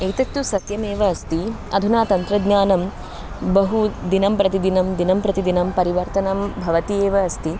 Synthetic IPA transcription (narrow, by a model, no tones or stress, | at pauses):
ɐjt̪ɐt̪jusɐt̪jɐmeːʋɐːst̪i | ɐ̰d̪ʱunaːt̪ɐnt̪ɾɐd̪ɲaːnɐm | bɐɦud̪inɐmpɾɐt̪id̪inɐmd̪inɐmpɾɐt̪id̪inɐmpɐɾiʋɐɾt̪ɐnɐmbʱɐʋɐt̪ieːʋɐːst̪i